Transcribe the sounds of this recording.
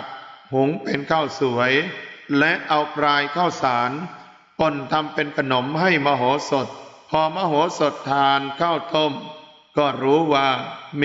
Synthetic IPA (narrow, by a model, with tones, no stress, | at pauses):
k̚hu˩˦ŋpe˧nkʰaː˥˩wsu˩˦əjlɛ˦˥ʔa˧wkʰɾaː˧jkʰaː˥˩wsaː˩˦n | po˨˩nt̪ʰa˧mpe˧nkʰa˧no˩˦mɦa˥˩jmaː˧ɦoː˩˦so˨˩t̪̚pʰɔː˧maː˧ɦoː˩˦so˨˩t̪ʰːaː˧nkʰaː˥˩wt̪o˥˩m | kɔː˥˩ɾuː˦˥waː˧˩m